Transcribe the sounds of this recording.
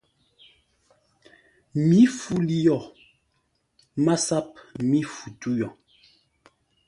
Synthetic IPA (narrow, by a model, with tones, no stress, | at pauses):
mi˨˦fu˦li˦jɔ˨ | ma˦sa˦p̚mi˦fu˨tu˦jɔ˨